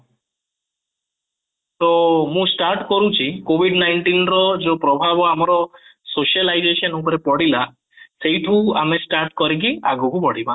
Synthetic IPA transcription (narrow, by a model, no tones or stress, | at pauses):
t̪ɔmũsʈaɾʈkɔɾũt͡ʃʰikobʱiɖnajɳʈinɾɔd͡ʒopɾɔbʱabɔamɔɾɔsoʃalajd͡ʒesɔnup̬ɔɾepɔɽila | sejʈʰuamesʈaɾʈkɔɾik̬iaɡɔkupɔɽ̤ibã